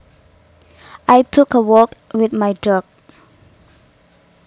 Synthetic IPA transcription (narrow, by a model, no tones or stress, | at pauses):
ʔajtʰukəwɔkwɪθmajdɹɔk̚